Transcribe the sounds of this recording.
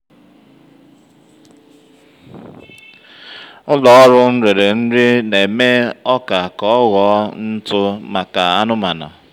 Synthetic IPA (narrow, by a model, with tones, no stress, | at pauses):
ʊ˦lɔ˨ɔ˦ɾʊ˦n̩˦ɾe˨ɾe˨n̩˦ɾɪ˦ne˨me˦ɔ˦ka˨kɔ˦ɔ˦ɣɔ˨˦n̩˦tʊ˦ma˨ka˨a˦nʊ˦ma˨na̰˨